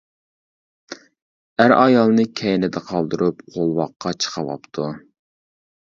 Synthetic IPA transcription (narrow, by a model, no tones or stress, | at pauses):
æɾɑjɑlˠnɨkʲʰɛjnɪd̪ɛqʰɑlˠd̪ɨɾʔupqʰolˠwɑqːɑt͡ʃʰə̥qʰɑvɑ̰pt̪ʰu